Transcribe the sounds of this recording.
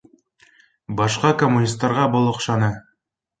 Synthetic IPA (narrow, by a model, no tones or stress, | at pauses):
bɒʃqɑkomːunʲist̪ːɑɾʁɑbolˠŏqʃɑnɤ